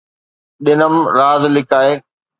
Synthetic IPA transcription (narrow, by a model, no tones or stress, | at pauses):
ɗɪnəmɾaːzlɪkaːeː